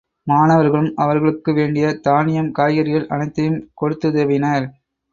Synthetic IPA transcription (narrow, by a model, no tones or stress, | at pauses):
maːnɐʋɐɾɣɐɭɯmɐʋɐɾɣɐɭɯkːɯʋeːɳɖɪjɐt̪aːnɪjɐmkaːjɐɾɪɣɐɭʔɐnɐɪt̪ːɐjɯmkɔɽɯt̪ːɯðeːʋɪnɐːɾ